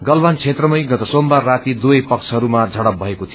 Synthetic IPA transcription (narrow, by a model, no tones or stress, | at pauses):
ɡʌlbant͡sʰet̪rʌmʌjɡʌt̪ʌsombarːat̪id̪ujpʌkt͡sʰɦʌɾumad͡zʱʌɽʌp̚bʱʌekot̪ʰijo